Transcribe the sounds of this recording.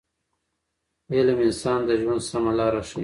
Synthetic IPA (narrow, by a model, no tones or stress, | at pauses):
elamɪnsɑːnd̪əʒwand̪samalɑːɾaʂi